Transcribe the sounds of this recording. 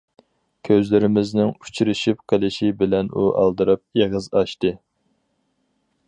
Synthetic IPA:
kʲʰøzlɪɾɪmɪznɪŋu̥t͡ʃʰiɾɪʃip̚qʰəlˠɪʃibɪlɛnuʔɑ̰lˠd̪ɨɾɨp̚jeʁəzɑʃt̪ɨ

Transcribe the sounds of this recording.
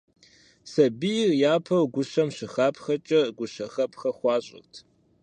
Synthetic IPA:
sɐbijrjaːpʰɐwɡʷʊɕɐmɕɪxaːpʰxɐt͡ʃʼɐɡʷʊɕɐxɐpʰxɐχʷɑːɕʼɪ̰rtʰ

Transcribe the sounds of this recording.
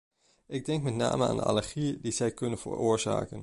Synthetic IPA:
ɪɡ̚dɛŋkmɛtna̰ːməa̰ːndəa̰ləɹχiədizɛjkɵnənvə̰ɹʊːɹza̰ːkən

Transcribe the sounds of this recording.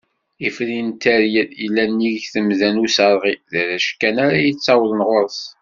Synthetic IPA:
ifɾint̪æɾjəilːænːiʝθəmðænusəɾˤʁiðəɾæʃkːænaɾajit͡sːæwlənʁoɾəθ

